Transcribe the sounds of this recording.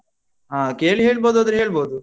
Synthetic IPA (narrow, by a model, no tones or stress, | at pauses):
ɦaːkeːɭiɦeːɭboːd̪uɐd̪ɾeɦeːɭboːd̪u